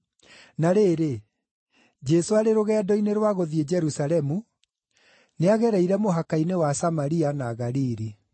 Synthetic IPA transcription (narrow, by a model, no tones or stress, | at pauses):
naɾeːɾe | d͡ʒɛsoaɾeɾoɣɛdɔineɾwaɣoðied͡ʒɛɾusalɛmu | neaɣɛɾɛiɾɛmoɦakainewasamaɾianaɣaɾiɾi